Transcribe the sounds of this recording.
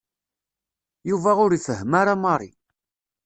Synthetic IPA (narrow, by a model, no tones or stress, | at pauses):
juvæʊɾifəɦmaɾamɑɾˤḭ